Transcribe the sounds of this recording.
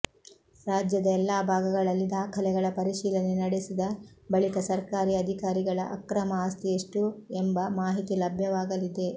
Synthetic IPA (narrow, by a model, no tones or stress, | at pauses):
ɾaːd͡ʒjɐd̪ɐɛlːaːbʱaːɡɐɡɐɭɐlːid̪aːkʰɐlɛɡɐɭɐpɐɾiʃiːlɐnenɐɽesid̪ɐbɐɭikɐsɐɾkaːɾiɐd̪ʱikaːɾiɡɐɭɐ̰ʔɐ̰kɾɐmɐaːst̪ʰieʂʈuembɐmaːɦit̪ilɐbʱjɐʋaːɡɐlid̪e̞